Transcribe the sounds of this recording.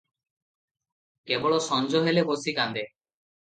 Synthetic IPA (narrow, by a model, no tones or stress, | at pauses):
kebɔɭoʃɔnd͡ʑoɦelebosikand̪e